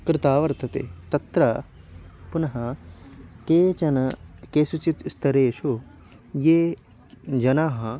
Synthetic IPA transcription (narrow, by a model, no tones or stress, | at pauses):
kɾɪt̪aːʋɐɾt̪ʰɐt̪ḛːt̪ɐt̪ɾɐ | punɐɦɐ | keːt͡ʃɐnɐkeːsut͡ʃit̪st̪ʰɐɾeːʃu | jeː | d͡ʒɐnaːɦɐ